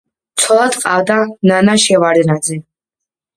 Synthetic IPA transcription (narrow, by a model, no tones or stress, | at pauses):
t̪sʰɔlˠad̪qʼavd̪ananaʃɛvaɾɛnad̪zɛ